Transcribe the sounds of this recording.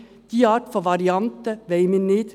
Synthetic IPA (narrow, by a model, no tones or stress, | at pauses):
d̪̥iːɑːʈfɔʋɑɾɪɑnt̪əʋeɪmɪneːd̪̥